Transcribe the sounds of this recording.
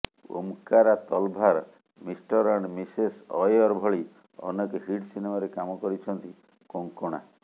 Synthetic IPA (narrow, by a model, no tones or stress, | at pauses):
o̰mkaɾat̪ɔlbʱaɾ | misʈɔɾɔɳɖmisesɔjɔɾbʱɔɭi | ɔ̰nɔkeɦiʈsinemaɾekamɔkɔɾit͡ʃʰɔnt̪i | koŋkoɽ̃a̰